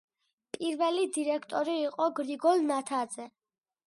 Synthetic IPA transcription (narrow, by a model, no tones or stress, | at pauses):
pʼiɾvɛlid̪iɾɛkʰt̪ʼɔɾiːqʼɔɡɾiɡɔlˠnat̪ʰad̪z̥ɛ